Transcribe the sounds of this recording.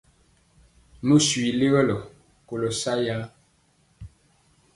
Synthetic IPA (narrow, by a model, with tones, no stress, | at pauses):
mə˦swi˨le˦ɣə˦lɔ˨ | ko˨lo˨sa˦ja˦